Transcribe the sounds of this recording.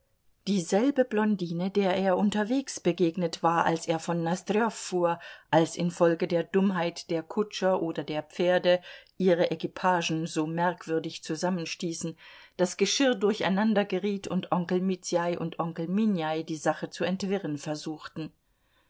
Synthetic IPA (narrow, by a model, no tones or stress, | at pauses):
d̥iːzɛlbəblɔndiːnədeːɐʔeːɐʔʊntɐveːksb̥əɡeːɡnətv̥aːɐʔa̰lsʔeːɐfɔnːastʁiɔfːuːɐʔalsɪnfɔlɡədeːɐdʊmɦaɪtd̥eːɐkʰʊt͡ʃɐʔoːdɐdeːɐp͡feːɐdəʔiːʁəʔɛkipʰaːʒn̩zoːmɛɐkv̥ʏɐdɪçt͡suzamənʃtiːsn̩d̥asɡ̥əʃɪʁdʊɐça̰ɪnandɐɡəʁiːtʰʊntʔɔŋkl̩mit͡sjaɪʔʊ̰ntʔɔŋkl̩minjaɪdiːzaχət͡suɛntv̥ɪʁənfɛɐzuːxtn̩